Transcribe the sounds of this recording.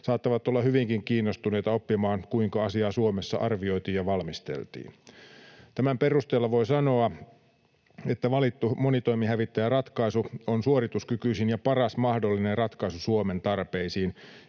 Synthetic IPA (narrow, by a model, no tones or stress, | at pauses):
sɑːt̪ːɑʋɑt̪ːolːɑhyʋiŋkiŋkiːnːost̪une̞ijt̪ɑopːimɑːŋkuiŋkɑɑsiɑːsuomesːɑ̰ʔɑrʋio̞jt̪iːjjɑʋɑlmist̪ḛlt̪ḭːn | t̪æmæmperust̪eːlːɑʋo̞isɑno̞ɑ | e̞t̪ːæʋɑlit̪ːumonit̪o̞imihæʋit̪ːæjærɑt̪kɑisuonsuorit̪uskykyisinjɑpɑrɑsmɑhdolːinerrɑt̪kɑjsusuoment̪ɑrpeisiːn